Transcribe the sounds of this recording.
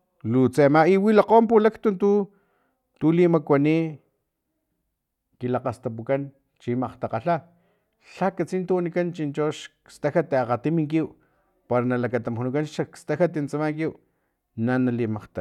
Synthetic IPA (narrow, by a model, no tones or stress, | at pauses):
lut͡semaiwilaqoːmpulakt̪unt̪u | t̪ulimakwani | kilaqast̪apukan | t͡ʃimaqt̪aqaɬa | ɬakat͡sint̪uwanikant͡ʃint͡ʃoʃkst̪axat̪eaqat̪imiŋkiw | paɾanalakat̪amxunukanʃakst̪axat̪int͡samaŋkiw | nanalimaqt̪a